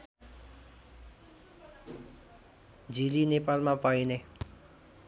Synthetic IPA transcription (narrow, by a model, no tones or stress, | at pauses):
d͡ʒilinepalmãpaine